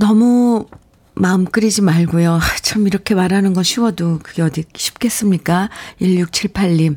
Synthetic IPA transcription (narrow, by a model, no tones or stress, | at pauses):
nʌmu | maɯmk͈ɯɾid͡ʑimaɭɡojoat͡ɕʰamiɾʌkʰe̞maɾanɯnɡʌnɕʰiwʌdokɯɡeʌdikiɕʰi̥p̚k͈e̞s͈ɯmɲik͈aiʎjuk̚t͡ɕʰiɭpʰaʎːim